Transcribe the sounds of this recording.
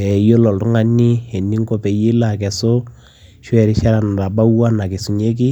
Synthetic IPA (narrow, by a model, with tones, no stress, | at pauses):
ɛ˨jo˦lɔ˨ltʊ˦ŋa˦ni˦e˨ni˦ŋ˦ko˦pɛ˨ji˦la˨k̬ɛ˨so˦ | ʃwɛ˨ɾɪ˦ʃa˦ɾa˨n˨ɾa˨ba˦wa˦na˨kɪ˨su˨ɲe˦k̬ɪ˦